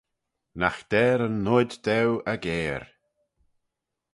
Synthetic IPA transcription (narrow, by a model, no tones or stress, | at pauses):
naxd̪̥ɛːɾənːʊd̪d̪ɛwəɡeːɾ